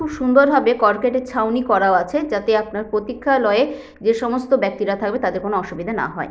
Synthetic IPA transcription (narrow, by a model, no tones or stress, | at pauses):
ubʃund̪oɾbʱabekɔɾkeʈet͡ɕʰawnikɔɾaoat͡ɕʰed͡ʑat̪eapnaɾpɾot̪ikʰːalɔee | d͡ʑeʃɔmost̪obɛk̚t̪iɾat̪ʰak̚bet̪ad̪eɾkonoɔʃubid̪ʱana̰ɦɔe